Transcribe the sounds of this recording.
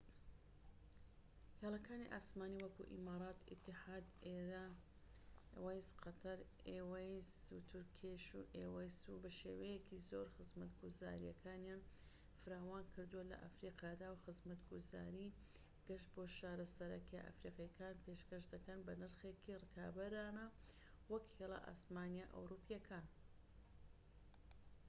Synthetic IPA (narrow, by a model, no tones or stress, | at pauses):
heːlˠɐkaːniʔaːsmaːniːwɐkṵʔḭmaːɾˤɑːt̪ɪ̰t̪ʰːɨħaːd̪eɾa | wajsqʰɐt̪ʰɐɾ | ewajzut̪ʰʊɾkʰeʃuʔeːwɐjsubɐʃḛwejekʰizoɾxɨzmɐt̪ɡuza̰ːɾijɐkʰaːnjan | fɨɾaːwaːnkʰɨɾd̪uwɐlɐ̰ʔa̰fɾiːqɑːd̪awxɨzmɐt̪ɡuza̰ːɾiː | ɡ̥ɐʃt̪̚boːʃaːɾɐsɐɾɐkḛʔa̰fɾiːqɑjkaːnpeʃkɐʃd̪ɐkɐnbɐnɨɾxekirɨkʰaːbɐɾaːnɐ | wɐkhelˠa̰ʔa̰ːsmaːnjaʔɐ̰wɾuːpʰjɐkʰaːn